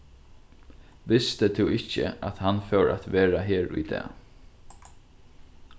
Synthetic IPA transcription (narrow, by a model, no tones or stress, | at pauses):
ʋɪst̪ət̪ʰɛɪcːə̰at̪hanfɛwɾa̰t̪ʋeːɾaɦeːɾʊ̰jd̪ɛ̰ː